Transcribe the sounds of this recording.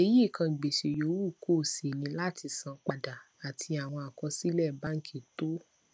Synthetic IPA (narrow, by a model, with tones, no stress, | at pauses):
e˧ji˦˨kʰã˧˨ɡ͡be˨ʃe˨jo˨˦wu˦˨kʰo˦˨se˨nĩ˨˧˦la˦tʰi˧sã˨˧k͡pa˧da˨ | a˨tʰi˧a˨w̃ɔ̃˧a˨kɔ˧si˦lɛ˦˨ba˦ŋ̩˦kʰe˦˨to˦